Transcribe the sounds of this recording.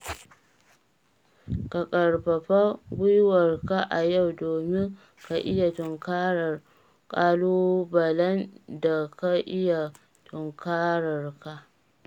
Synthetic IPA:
ka˨kʼɐ˨rbɐ˨ɸa˦ɡʷʊ˦jwɐ˨rka˦ʔa˨ja˦˨wdoː˨mɪ˦ŋ | ka˨ʔɪ˦ja˨tʊ˨ŋkaː˦ɾɐ˨r | kʼaː˦loː˦bɐ˨lɐ˦nda˨ka˦ʔɪ˦ja˨ | tʰʊ˨ŋkaː˦ɾɐ˨rka˦ʔ

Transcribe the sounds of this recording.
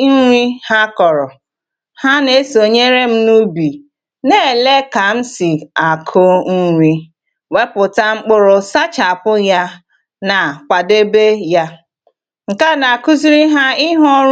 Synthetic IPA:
n̩˦ɾi˦ha˦kɔ˨ɾɔ˨ | ha˦ne˨˦so˨ɲe˦ɾe˦m̩˦nu˦bi˨ | ne˦˨le˦ka˨m̩˦si˨a˨kʰʊ˦n̩˦ɾʷi˦ | we˦pʊ˨ta˦ŋ͡m̩˦k͡pʊ˦ɾʊ˦sa˦t͡ʃa˨pʊ˦ja˦ | na˨kʷa˨de˦be˦ja˦ | ŋ̩˨ka˦na˨ku˦zi˦ɾi˦ɦa˦ɪ˦ɦɔ˦

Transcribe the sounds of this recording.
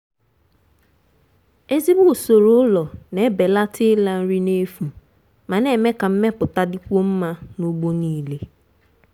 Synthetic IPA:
e˦zi˦bu˦˨so˨ɾʊ˦lɔ˨ne˦be˨la˦tʰɪ˦la˨n̩˦ɾi˦ne˦fu˨ | ma˨ne˨me˦ka˨m̩˦me˦pʊ˨ta˦di˦kʷo˦m̩˦ma˦no˦ɡ͡bo˦niː˦˨le˨

